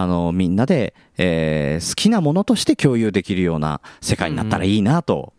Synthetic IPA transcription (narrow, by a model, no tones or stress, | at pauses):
ano̞mʲĩnːad̪e̞ | eːsɨ̥kʲinamo̞no̞t̪o̞ɕi̥t̪e̞kʲo̞ːjɯ̟ːd̪e̞kʲiɾɯ̟jo̞ːna̰se̞kaḭɲ̟inat̪ːaɾaiːnat̪o̞̰